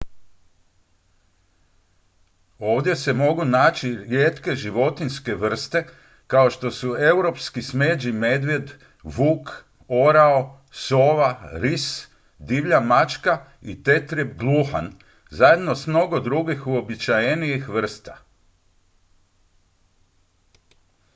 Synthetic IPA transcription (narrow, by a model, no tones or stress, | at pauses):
o̞ːʋd̪je̞se̞mo̞ɡunaːt͡ʃiɾjeːt̪ke̞ʒiʋo̞t̪inske̞ʋr̩st̪e̞ | kao̞ʃt̪o̞sue̞uwɾo̞pskisme̞ːd͡ʒime̞d̪ʋje̞d̪ | ʋuːk | o̞ɾao̞ | soːʋaɾis | d̪iʋʎamat͡ʃka | ḭt̪e̞t̪ɾibɡlˠuxa̰n | zaje̞d̪no̞smno̞ɡo̞d̪ɾuɡixuo̞bit͡ʃajenijixʋr̩st̪a